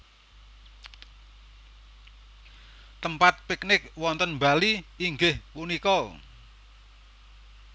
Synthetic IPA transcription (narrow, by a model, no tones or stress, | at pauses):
t̪əmpat̪̚pɪk̚nɪk̚wɔnt̪ənmbaliːŋɡɪhpunikɔ